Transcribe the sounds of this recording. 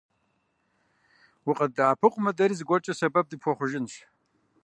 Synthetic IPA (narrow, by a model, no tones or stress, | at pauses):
wiqʼɐdaːpʰɨqʷʼmɐdɐɾizɡʷɔt͡ʃʼɐsɐbɐb̚dɨpʰxʷɔχʷʊʒɪnʃ